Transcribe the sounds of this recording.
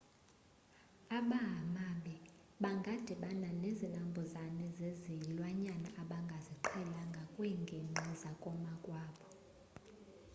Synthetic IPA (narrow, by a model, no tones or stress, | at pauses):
aɓaɦamaɓɛ | ɓaŋɡʱad̥ʱiɓananezinambʱɔzanɛzezilwaɲanaʔaɓaŋɡʱaziǃʰɛlaŋɡʱakʼwɛŋɡʱeŋ͡ǃʱizakʼɔmakʼwaːɓɔ